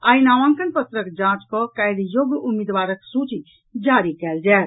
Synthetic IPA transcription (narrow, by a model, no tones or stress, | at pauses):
ainaʋãŋkənpət̪ɾəkd͡ʒãt͡ʃkɔkajd̪joɡumid̪ʋaːɾəksut͡ʃi | d͡ʒaɾikɛːld͡ʒɛːt̪